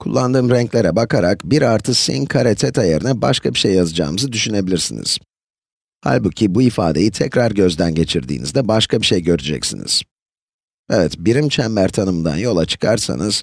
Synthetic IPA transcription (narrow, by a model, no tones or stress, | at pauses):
kʰulˠːand̪ɯːmɾɛɲclʲe̞ɾɛbakʰaɾakbiɾaɾt̪ʰɯsḭnkʰaɾet̪ʰɛt̪ʰajeɾinɛbaʃkʰabiʃejjazɯd͡ʒa̰ːmɯzɯd̪yʃyne̞bilʲiɾsinḭz̥ | ha̰lʲbucʰibuifa̰ːd̪e̞jit̪ʰɛcɾaɾɟø̞zd̪ænɟe̞t͡ʃʰiɾd̪ḭːnḭzd̪ɛbaʃkʰabiʃejɟø̞ɾyd͡ʒɛ̰csḭnḭz̥ | evɛt̪biɾimt͡ʃʰɛmːæɾt̪ʰanɯmɯnd̪a̰njo̞lˠat͡ʃʰɯ̥kʰaɾsa̰nɯz̥